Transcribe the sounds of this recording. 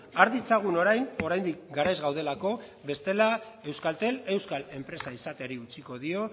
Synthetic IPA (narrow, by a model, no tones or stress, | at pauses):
aɾðit͡saɣ̞uno̞ɾajno̞ɾajnd̪ik̚ɡaɾajzɣawð̞e̞lako̞ | βe̞st̪e̞la | e̞wskalt̪e̞le̞wskale̞mpɾe̞saisat̪e̞aɾiut͡siko̞ðio̞